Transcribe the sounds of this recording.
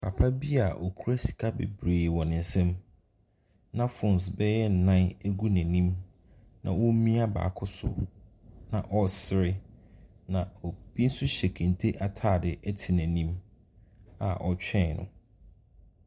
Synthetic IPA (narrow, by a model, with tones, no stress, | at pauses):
pʰa˨pʰa˦bi˦a˨ʔɔ˨kʰu˦ɾæ˦si̥˨kʰa˦bḛ˨bɾeː˨wɔ̃˨nɪ̃˨n˨˦sɛ̃˦m | nã˦fʊ̃˨n˨sbɛ˦jɛ˦n̩˨nã˦næ˦ɡu˦næ̃˨nĩ˦m | nʔã̰˨wɔ˦mĩ˦a˦ba̰ː˨kʰʊ˦sʊ̰˨ | nã˨ʔɔ˦sɪ˦˨ɾɪ˦nã˨ɔ˨b̥i˦n̩˦sʊ˦ɕɛ˨kʰæ̃˨n˨tʰe˦ʔa˨tʰaː˦˨dɪ˨ʔɛ˦tʰi˨næ̃˨nĩ˦m | a̰˨ʔɔ˨t͡ɕᶣɛ̃˦˨nʊ̰̃˨